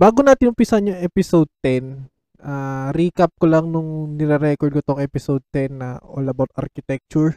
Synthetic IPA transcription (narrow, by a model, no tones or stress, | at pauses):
baːɡonaːt̪ɪnʊmpisɐnjʊŋʔɛpɪsowd̪̚t̪ɛn | ʔaːɾiːkɐp̚kolɐŋnʊŋnɪɾɛɾɛkoɹd̪̚kot̪oŋʔɛpɪsod̪̚t̪ɛnːɐʔolɐbot̪̚ʔɐ̰ɾkɪt̪ɛk̚t͡ʃʊɹ